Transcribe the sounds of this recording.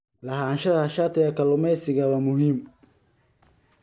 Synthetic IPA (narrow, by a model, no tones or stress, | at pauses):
lɐɦanʃɐðɐhɐʃaːt̪ʰɪjɐkʰɐlʊmɛjsɪɣɐβɐmʊɦiːm